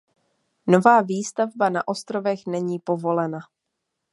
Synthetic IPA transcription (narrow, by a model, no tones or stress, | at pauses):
no̞vaːviːst̪avbanaʔo̞st̪ɾo̞vɛxnɛɲiːpo̞vo̞lɛna